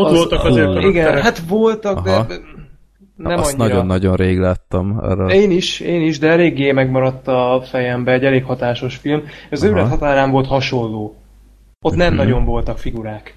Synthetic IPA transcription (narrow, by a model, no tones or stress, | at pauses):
olt̪ɒeiɡɛnɦat̪vo̞lt̪ɒɡd̪ | nɛmmɒɲːnɒiɾonːɒɟo̞nɾeːɡlaːt̪ːɒmɛ̰ɾeːniʃeːniʒd̪ɛɛleːɡːeːmɛɡmɒɾɒt̪ːɒfɛjɛmbɛɛɟɛleːkhɒt̪aːʃo̞ʃfilmʃɒzøːlɛt̪hɒt̪aːɾaːɱvo̞lt̪hɒʃo̞lːoː | ot̪nɛmnɒɟo̞ɱvo̞lt̪ɒkfiɡuɾaːk